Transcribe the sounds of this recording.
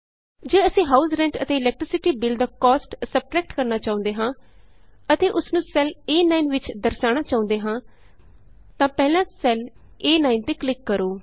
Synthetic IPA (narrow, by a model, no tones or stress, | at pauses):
d͡ʒeːəsĩːɦaːusɾɛ̃ɳʈə̰t̪eːɪlɛːk̚ʈɾɪsɪʈiːbɪlɖd̪aːkɔːsʈsəb̚ʈɾɛːk̚ʈkəɾnaːt͡ʃaːʊ̃nd̪eːɦãː | ət̪eːʔʊsnũːsɛleːnaːinʋɪt͡ʃd̪əɾsaːɽ̃aːt͡ʃaːʊ̃nd̪eːɦãː | t̪ãːpɛːlãːsɛl | eːnaːint̪eːklɪkːəɾoː